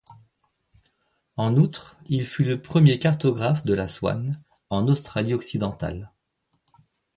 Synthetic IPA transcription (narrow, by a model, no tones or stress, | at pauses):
ɑ̃nut̪χilfyləpχəmjekaʁt̪ɔɡʁafd̪əlaswa̰n | ɑ̃nost̪χaliɔksid̪ɑ̃t̪a̰l